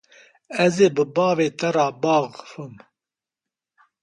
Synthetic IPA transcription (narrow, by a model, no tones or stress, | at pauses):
ɛzeːbɨbɑːveːt̪ʰɛɾɑːbɑːʁfɨm